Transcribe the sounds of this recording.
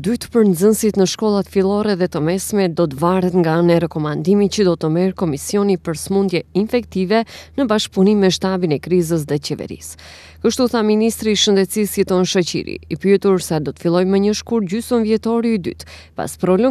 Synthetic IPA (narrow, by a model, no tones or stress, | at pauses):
d̪yt̪pəɾnzənsit̪nəʃkɔlˠat̪filˠɔɾɛðɛt̪əmɛsmɛd̪ɔt̪əvaɾɛt̪ŋɡaənɛɾɛkɔmand̪imitt͡ɕəd̪ɔt̪əmɛɾkɔmisjɔnipəɾsmund̪jɛinfɛkt̪ivɛnəbaʃk̚punimmɛʃt̪abinɛkɾizəs̬ðɛt͡ɕɛvɛ̰ɾḭs | kəʃt̪uθaminist̪ɾiːʃənd̪ɛt̪sisit̪ɔnʃət͡ɕḭɾḭipyɛt̪uɾsɛd̪ɔt̪ə̥filˠɔjməɲəʃkuɾd͡ʑysɔnvjɛt̪ɔɾiːd̪y̰t̪ | pa̰spɾɔlə